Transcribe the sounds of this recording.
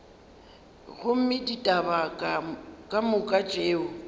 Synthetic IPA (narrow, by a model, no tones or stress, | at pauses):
ɣʊm̩mɪditʼaba | kʼamʊkʼat͡ʃʼeːʊ